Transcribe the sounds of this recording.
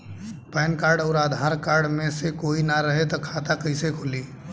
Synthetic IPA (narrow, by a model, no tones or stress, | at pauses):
pɛːnkaːɾɖəːɾaːd̪ʱaːɾkaːɾɖmẽsekoːinaɾəɦet̪akʰaːt̪akəisekʰʊliː